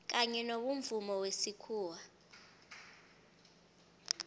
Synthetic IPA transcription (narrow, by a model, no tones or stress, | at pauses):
k̬aɲɛnoɓuɱvumɔwesikʰuːwa